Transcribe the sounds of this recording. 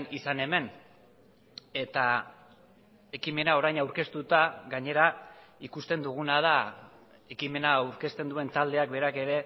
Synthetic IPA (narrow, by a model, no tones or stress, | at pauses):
nisane̞me̞n | e̞t̪a | e̞kime̞nao̞ɾajnawɾke̞st̪ut̪aɣaɲe̞ɾaikust̪e̞nd̪uɣ̞unað̞a | e̞kime̞naːwɾke̞st̪e̞nd̪ue̞nt̪ald̪e̞akbe̞ɾake̞ɾe̞